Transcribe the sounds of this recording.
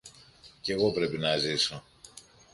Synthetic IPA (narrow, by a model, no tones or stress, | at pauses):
ce̞ɣo̞pɾe̞pinɐziso̞